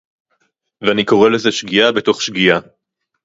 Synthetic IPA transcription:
veaniko̞ʁele̞zeʃɡiabeto̞χʃɡia

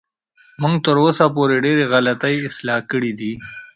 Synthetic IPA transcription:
muŋɡ̚t̪əɾosapoɾeɖeɾeɣalat̪ajɪslɑkəɽid̪i

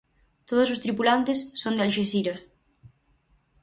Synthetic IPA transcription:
t̪oðosost̪ɾipulant̪esːond̪ealʃesiɾos

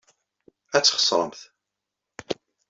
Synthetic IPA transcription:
æt͡sːχə̥sˤɾˤə̰mθ

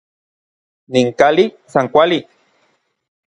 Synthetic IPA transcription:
niŋkali | saŋkʷali

